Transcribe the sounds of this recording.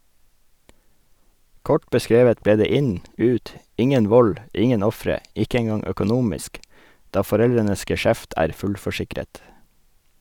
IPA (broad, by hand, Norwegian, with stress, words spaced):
ˈkɔʈ bəˈskɾeːʋət ˈbeː ˈdeː ˈɪɲ ˈʉːt ˈɪŋən ˈʋɔl ˈɪŋən ˈɔfɾə ˈɪkə ɛŋˈɡɑŋ œkʊˈnuːmɪsk ˈdɑː fɔˈɾɛlɾənəs ɡɛˈʃæft ˈæːɾ ˈfʉlfɔˌʃɪkɾət